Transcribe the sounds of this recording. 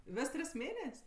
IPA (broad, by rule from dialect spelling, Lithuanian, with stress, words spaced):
ˈʋʲɛs ˈtʲrʲɪs ˈmʲeːnʲɛsʲ